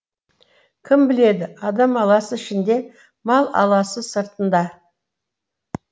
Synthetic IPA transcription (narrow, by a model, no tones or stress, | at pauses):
kʲʰɪmbɪle̞d̪ɪɑd̪ɑmɑlˠɑsəɪʃɪnd̪e̞ | mɑlˠɑ̰lˠɑsəsəɾt̪ənd̪ɑ